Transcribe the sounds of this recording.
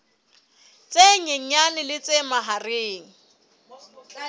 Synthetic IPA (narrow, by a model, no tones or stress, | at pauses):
t͡sʼeɲeŋ̩ɲanɪlɪt͡sʼemaɦareːŋ̩